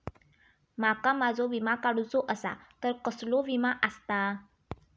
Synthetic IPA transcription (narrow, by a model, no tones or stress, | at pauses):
makamad͡zʱoʋimakaɽut͡soʔəsa̰t̪əɾkəsloʋimaʔəst̪a